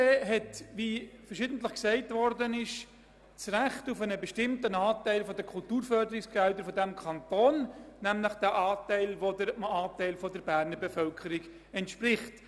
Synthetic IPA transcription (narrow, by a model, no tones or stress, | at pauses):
eːɦɛtʋifəɾʃɪːdn̩tləχksɛɪtvɔɾdənɪʃ | t͡sɾæχtʊfənəbɛʃtɪmtənɑːtæɪlfɔdəkʰultuːɾfœɾdəɾɪksɡ̥ɛldəɾfɔdɛmkʰɑntoːnnæmləχd̥æʔɑːtɛɪlʋodəmɑːtɛɪlfɔdəɾbæːɾnəɾbefœlkʰəɾiɡ | ɛntʃpɾɪχt